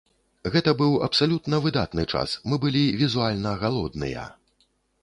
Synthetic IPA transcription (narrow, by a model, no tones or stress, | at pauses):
ɣɛt̪ɐbɨwɐ̰psalʲut̪nɐvɨd̪a̰t̪nɨt͡ʂa̰smɨbɨlʲivʲizualʲnɐɣalˠɔd̪nɨ̰jɐ̰